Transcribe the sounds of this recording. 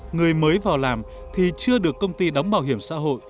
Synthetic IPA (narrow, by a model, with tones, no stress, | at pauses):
ŋɨ˨˩əjməː˨˦jvaː˨˩wlaː˨˩m | t̪ʰi˨˩t͡ɕɨ˧əɗɨ˨˩əkːə˧wŋ͡mt̪i˧ɗa˨˦wŋ͡mɓaː˧˩wɦi˧˩əmsa̰ː˧˥ɦo̰˧˨j